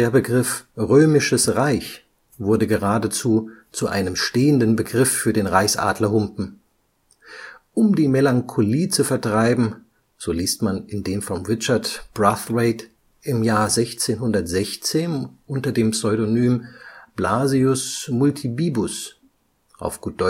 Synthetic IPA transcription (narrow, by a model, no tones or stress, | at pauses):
deːɐbəɡʁɪfʁøːmɪʃəsʁaɪç | v̥ʊɐdəɡəʁaːdət͡suːt͡suʔa̰ɪnəmʃteːəndənbəɡʁɪfːyːɐdeːnʁaɪçsʔa̰ːdlɐɦʊmpm̩ | ʔʊmdiːmelaŋkʰoliːt͡sufɛɐtʁ̥aɪbm̩ | z̥oːliːstmanɪndeːmfɔmʁɪt͡ʃɐɐtb̥ʁaθʁeɪt | ʔɪmjaːɐzɛçt͡seːnɦʊndɐtz̥ɛçt͡seːnʔʊntɐdeːmpsɔʏɾonyːmb̥laːziʊsmʊltʰibiːbʊs | ʔa̰ʊfɡ̥uːt̚d̥ɔ